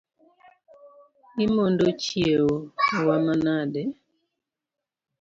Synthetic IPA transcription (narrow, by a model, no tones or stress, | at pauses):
imondot͡ʃieowamanadɛ